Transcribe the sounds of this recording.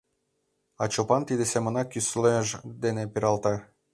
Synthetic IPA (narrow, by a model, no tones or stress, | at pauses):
ɑt͡ɕopɑnt̪id̪esemə̆nɑkysleʒd̪enepiɾɑlt̪ɑ